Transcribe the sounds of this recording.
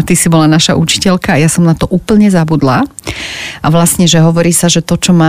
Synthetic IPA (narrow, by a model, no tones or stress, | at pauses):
t̪isibɔlanaʃaʔut͡ʃi̥cɛʎkaːjasɔmnat̪ɔʔuːpl̩ɲɛzabud̪la | ʔaʋlasɲɛʒɛɦɔʋɔɾiːsaʒɛt̪ɔt͡ʃɔmaː